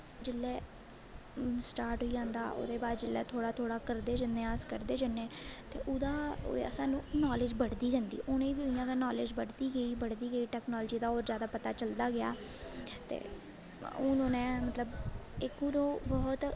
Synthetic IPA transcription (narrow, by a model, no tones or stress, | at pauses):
d͡ʒɪlːɛː | sʈaːɾʈɦoːiːd͡ʒãːnd̪a̰ːʔo̰ːd̪eːbaːɾd͡ʒɪlːɛ̰ːt̪ʰoːɽaːt̪ʰoːɽaːkəɾd̪eːd͡ʒənd̪eːaːskəɾd̪eːd͡ʒanːeːt̪ḛːʔʊd̪a̰ːə̰sãːnũːnɔːlɪːd͡ʒbəɽd̪iːd͡ʒãːnd̪ḭːʔʊːnẽːbiːʊijãːkaːnɔːleːd͡ʒbəɽd̪iːɡəiːbəɽd̪iːɡəiːʈɛːknɔːld͡ʒiːd̪aːoːɾzjaːd̪aːpət̪aːt͡ʃəld̪aːɡɪa̰ː | t̪ḛː | ʊːnoːnẽːmət̪ləbɪkũːɾoːbɔːt̪